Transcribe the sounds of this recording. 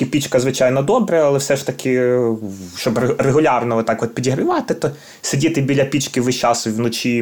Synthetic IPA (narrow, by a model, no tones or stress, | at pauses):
ɪpʲit͡ʃkɐzʋɪt͡ʃɑjnɔd̪ɔbɾɐɐlˠɛfsɛʃt̪ɐkʰʲɪ | ʃt͡ʃɔbreɦʊlʲɑrnɔʋɔt̪ɑkʋɔt̪̚pʲidʲiɦɾɪʋɑt̪ɪt̪ɔ | sɪdʲit̪ɪbʲilʲɐpʲit͡ʃkɪʋɪʃt͡ʃɑsʊiʋnɔt͡ʃʲi